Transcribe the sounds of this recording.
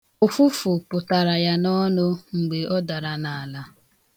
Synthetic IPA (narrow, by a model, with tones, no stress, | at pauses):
ʊ˨fu˦fʊ˨pʊ˨ta˨ɾa˨ja˦nɔ˦no˦ŋ͡m̩˨ɡ͡be˨ʔɔ˦da˨ɾa˨na˨a˨la˦